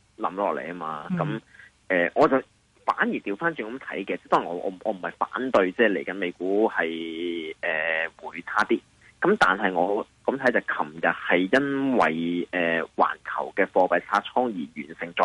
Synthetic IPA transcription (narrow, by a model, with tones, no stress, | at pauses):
lɐ˨˥mlɔː˨k̚lḛ˨jma̰ː˧kɐ˨˦m | ʔɛː˨ŋɔː˨˧t͡sɐ˨w | faː˨˥njiː˨˩t̪iː˧wfaː˥nt͡ʃyː˨˩kɐ˨˥mt̪ʰɐ̰˨˥jkɛː˧t͡sɛ˥˩t̪ɔː˥ŋjŋɔː˧ʔɔ̰ː˨˧m˨˩ʔɔː˨˧m̩˨˩hɐ˨jfa̰ː˨˥nt̪ɵ˧ɥt͡sɛː˥˩le˨˩jkɐ˨˥nme˨˧jkuː˨˥hɐ˨jʔɛː˨˩wuː˨˩jt͡sʰaː˥t̪iː˥ | kɐ˨˥mt̪aː˨nɦɐ˨jŋɔː˨˧kɐ˨˧˥mt̪ʰɐ˨˥jt͡sɐ˨˩kʰɐ˨˩mjɐ˨t̚hɐ˨jjɐ˥nwɐ̰˨jɛː˨wa̰ː˨˩nkʰɐ̰˨˩wkɛː˧fɔː˧pɐ˨jt͡sʰaː˥t͡sʰɔː˥ŋjiː˨˩ɥyː˨˩nsɪ˨ŋt͡sɔ̰ː˨˧